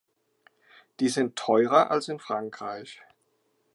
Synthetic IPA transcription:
d̥iːzɪntʰːɔʏʁɐʔa̰lsɪnfʁ̥aŋkʁ̥aɪç

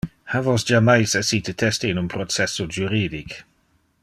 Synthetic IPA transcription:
havɔsd͡ʒamajsɛsitʰətʰɛstiɪnunpʰɾɔt͡sɛsod͡ʒuɾiːdik

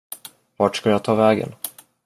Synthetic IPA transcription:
vɑːʈʂkaljat̪ʰɑːvɛːɡə̰n

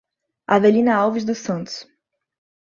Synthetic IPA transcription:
avelĩnɐawvizd̪ʊsɐ̃nt̪ʊ̥s

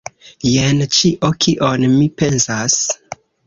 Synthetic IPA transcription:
jent͡ʃiʔokʰiʔonmipe̞nsas

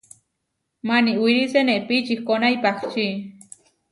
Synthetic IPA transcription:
maniʔwiɾiseneʔpit͡ʃixkonajpaχt͡ʃi

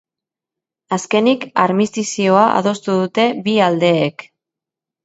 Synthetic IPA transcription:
aske̞nikaɾmist̪isio̞aʔa̰ðo̞st̪uðut̪e̞βiald̪e̞ːk

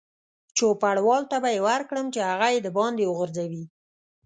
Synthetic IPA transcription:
t͡ʃopaɽwɑlt̪abajewaɾkɽəmt͡ʃehaɣajed̪əbɑnd̪ewəɣəɾzawi

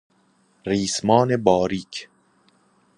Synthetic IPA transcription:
ɾiːsmɒːnebɒːɾiːkʰ

